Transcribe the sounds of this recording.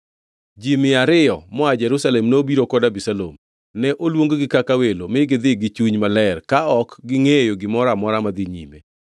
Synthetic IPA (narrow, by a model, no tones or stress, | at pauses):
d͡ʒimɪaɾɪjɔmɔad͡ʒɛɾusalɛmnobiɾokɔdabisalo̰m | nɛʔolwoŋɡoɡɪkakawelomɪɡɪd̪ɪɡɪt͡ʃuɲmalɛrkaɔkɡɪŋejoɡɪmɔɾamɔɾamad̪ɪɲḭmḛ